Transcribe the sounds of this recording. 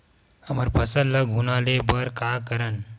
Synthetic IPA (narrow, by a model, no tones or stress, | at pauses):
əməɾpəsələɡʱɦunalebəɾkakəɾən